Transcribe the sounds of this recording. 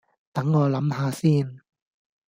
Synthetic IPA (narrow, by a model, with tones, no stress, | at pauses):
t̪ɐ˨˥ŋːɔː˨˧lɐ˨˥mhaː˧siː˥˩n